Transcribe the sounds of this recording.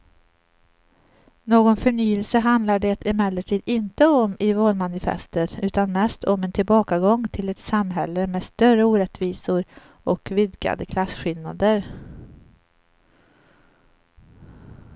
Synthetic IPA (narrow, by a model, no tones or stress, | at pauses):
noːɡɔnfœɳyːəlsəɦand̪laɖɛt̪ʰɪmɛlːəʈʰiːd̪ɪnt̪əɔmʔɪvoːlmanɪfɛ̰st̪əɾʉ̟ːt̪anmɛst̪ʰɔmɛnt̪ʰɪlbɑːkaɡɔŋːt̪ʰɪlɛt̪samɦɛlːəmeːst̪œrəuːɾɛt̪viːsʊɾ | ɔkvɪd̪ɡa̰d̪əkʰlasɧɪlna̰d̪əɾ